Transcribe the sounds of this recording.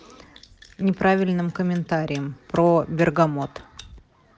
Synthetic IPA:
nʲɪpɾavʲɪlʲnɨmkəmʲɪnt̪aɾʲɪjəmpɾobʲɪrɡɐmot̪

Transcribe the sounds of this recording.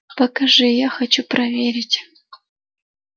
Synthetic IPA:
pɐkɐʐɨjaxɐt͡ɕuprɐvʲeɾʲɪtʲ

